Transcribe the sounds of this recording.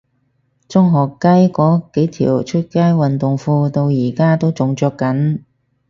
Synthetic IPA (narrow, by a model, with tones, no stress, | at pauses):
t͡sʊ˥ŋɦɔː˨kːɐ˥jkɔː˨˥ke˨˥jt̪ʰḭː˨˩wt͡ʃʰɵ˥t̚kaː˥jwɐ˨nt̪ʊ˨ŋfuː˧t̪o˧wjiː˨˩kaː˥t̪o˥wt͡sʊ˨˧ŋt͡ʃɔː˧kːɐ˨˥n